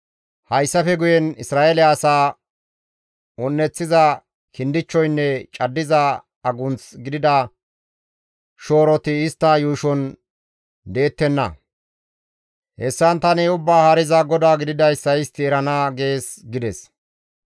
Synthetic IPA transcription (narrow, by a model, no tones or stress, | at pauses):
hɐjsːɐfɛɡʊjɛnɪsɾaːʔelɛɐsaː | ɔnːɛt͡sːɪzɐ | kɪnd̪ɪt͡ʃːɔjnːɛt͡ʃʼɐd̪ːɪza | ɐɡʊnt͡sɡɪd̪ɪd̪ɐ | ʃo̞ːɾɔt̪ɪɪst̪ːɐjuːʃɔn | d̪e̞ːt̪ːɛnːɐ̰ | hɛsːɐnt̪ɐneʊbːaːhɐɾɪzaɡɔd̪aːɡɪd̪ɪd̪ɐjsːɐjɪst̪ːɪɛɾɐnaːɡe̞ːsɡɪd̪ɛs